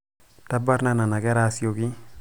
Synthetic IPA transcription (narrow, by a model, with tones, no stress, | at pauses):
ta˦ba˦ɾna˦na˨na˨ɡɛ˦ɾa˦sio˨ɡi˦